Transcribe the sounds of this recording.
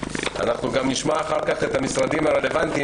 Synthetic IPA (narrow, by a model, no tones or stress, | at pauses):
a̰naχnuɡamniʃmaːχaʁkaχe̞t̪amisʁad̪imaʁe̞le̞vant̪i